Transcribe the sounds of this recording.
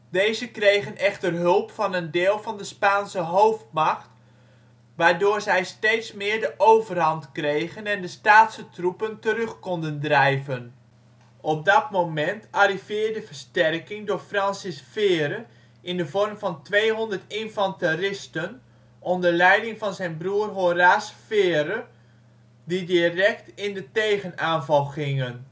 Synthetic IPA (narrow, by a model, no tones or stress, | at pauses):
dejzəkrejχənɛχtərɦɵlˠpfɑnəndɪːlˠvɑndəspaːnsəɦowftmɑχt | ʋaːɹdʊːɹzɛjstejtsmɪːɹdəʔowvərɦɑntkrejχənɛndəstaːtsətrupəntəɾɵχkɔndəndrɛjvən | ʔɔp̚dɑtmowmɛntarivɪːɹdəvəɹstɛrkɪŋdʊːɹfrɑnsɪsfɪːɾə | ɪndəvɔrmvɑntʋejɦɔndərtɪnfɑntərɪstən | ʔɔndəɹlɛjdɪŋvɑnzɛjnbruərɦoraːsfɪːɾə | didirɛk̚tɪndətejχənaːnvɑlˠχɪŋən